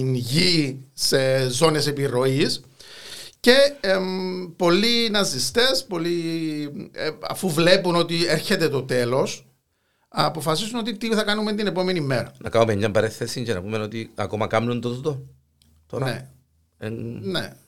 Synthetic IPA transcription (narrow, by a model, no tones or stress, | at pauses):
inʝise̞zo̞ne̞se̞piɾo̞is | ce̞ | po̞lːinɐzist̪e̞spo̞li | ɐ̰fuvle̞puno̞t̪ieɾçe̞t̪e̞t̪o̞t̪e̞lo̞s | ɐpo̞fɐsisuno̞t̪it̪iθɐkɐnument̪ine̞po̞me̞nimːe̞ɾɐ̰nɐ̰kɐumeɲɟɐmbɐɾeθesiɲcenɐ̰pumeno̞t̪iɐ̰komɐkɐmnund̪ozd̪o | t̪oɾɐnḛ | ennḛ